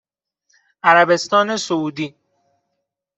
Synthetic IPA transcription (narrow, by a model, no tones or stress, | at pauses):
ʔæɾæbe̞st̪ɒːne̞souːd̪iː